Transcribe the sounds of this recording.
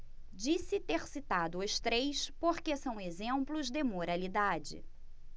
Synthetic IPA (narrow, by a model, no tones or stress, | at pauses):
d͡ʒisɪt̪eɾsit̪ad̪ʊʊst̪ɾejspoɾkesɐ̃w̃ezẽmplʊzd̪emoɾalid̪ad͡ʒɪ̰